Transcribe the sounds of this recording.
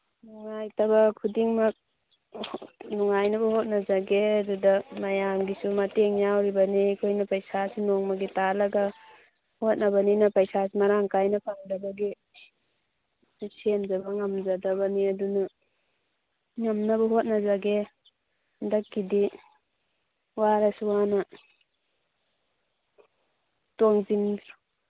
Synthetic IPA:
nuŋajtabakʰudiŋmak̚ | nuŋajnabɐhot̚nad͡ʒaɡeadudamajamɡisumateŋjawɾibanikʰojnɐpajsasinɔŋmaɡitalaɡa | hot̚nabaninɐpajsasimaɾaŋkajnɐpʰaŋdabaɡi | sʰemzabaŋamzadabaniaduna | ŋamnabaɦot̚nazaɡe | ndak̚ɡidi | waɾasuwana | tɔŋzind

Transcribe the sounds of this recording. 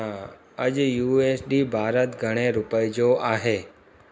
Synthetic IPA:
a | əd͡ʒjuesɖibʱaːɾət̪ɡʱəɽ̃eɾupəjd͡ʒoʔaɦe

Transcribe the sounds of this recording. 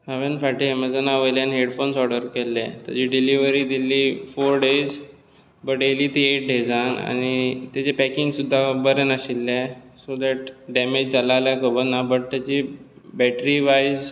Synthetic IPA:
haʋenfaʈiɦɛməd͡zənaʋəjljanɦeɽfonsɔɽəɾkelːɛ̃t̪ə̰d͡ʑiɖiliʋəɾid̪ilːiːfoɾɖed͡z | bəʈeliːt̪ieʈ̚ɖʱed͡zana̰ñit̪at͡ɕepɛkiŋɡsud̪ʱːabəɾənaɕilːɛ̃sod̪ɛʈɖɛmed͡ʑd͡zalaljakəbənːabəʈ̚t̪at͡ɕibɛʈɾiʋajz

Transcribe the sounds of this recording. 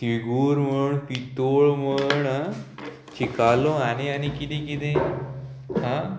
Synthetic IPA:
t̪iɡuːɾməɳpit̪oɭməɳ | t͡ɕikalõaneanikit̪ẽkit̪ẽ | hã

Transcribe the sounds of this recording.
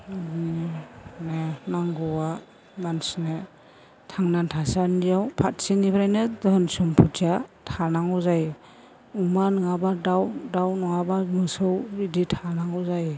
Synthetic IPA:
nenaŋɡɔwa | mansne | tʰaŋnantʰasanijawpʰat̚sinipʰɾajnedɔhnsumpʰutʰijatʰanaŋɔzaj | umanɯŋabadawdawnɔŋabamɯsɯwiditʰanaŋɔwzaj

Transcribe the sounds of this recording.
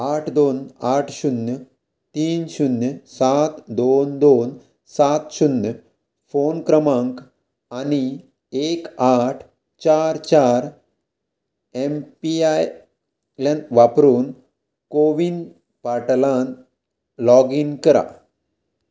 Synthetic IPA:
aʈʰd̪onaʈʰɕunjə | t̪iːnɕunjəsat̪d̪ond̪on | sat̪ɕunjə | fonkɾəmaŋk | ani | ekaʈʰ | t͡ɕaɾt͡ɕaɾ | empiaj | lanʋapɾuːn | koʋin | paʈlan | lɔɡinkəɾa̰

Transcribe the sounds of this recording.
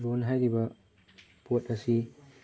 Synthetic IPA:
ɾonɦajɾibɐ | potɐsi

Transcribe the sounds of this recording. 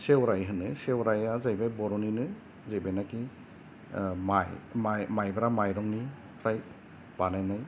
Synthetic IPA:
sewɾajɦɯnɯsewɾajazajbajbɔɾɔninɯ | zajbajnaki | majmajmajbaɾamajɾɔŋni | ɾaj | b̥anajnaj

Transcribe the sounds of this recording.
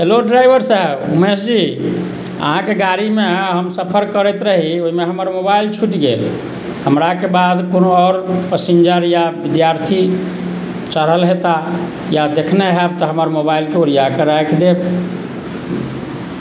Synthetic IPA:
ɦeloɖɾajbəɾsəɦəbumesd͡ʒi | ə̰ɦãkeɡaɾimeɦəmsəpʰəɾkəɾɛt̪ɾəɦioɦimeɦəməɾmobailt͡ʃʰuʈɡel | həmɾakebad̪konoɔɾpəsiɲd͡ʒəɾjabid̪jaɾt̪ʰi | t͡ʃəɾəlɦet̪a | jad̪ekʰneɦɛb̚t̪ɔɦəməɾmobailkeoɾijakeɾakʰd̪eb

